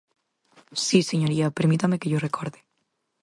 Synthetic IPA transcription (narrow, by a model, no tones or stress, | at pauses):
siseɲoɾiapeɾmit̪amekeʝorekoɾðe